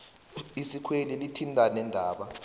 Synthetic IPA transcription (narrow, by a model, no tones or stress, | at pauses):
isikʰwelilitʰintʼanɛndʱaːɓa